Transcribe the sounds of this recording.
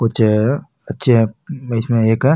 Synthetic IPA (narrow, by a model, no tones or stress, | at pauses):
kʊt͡ʃʰ | ɐtːʃʰeɦɛɪsmẽeːkɦɛ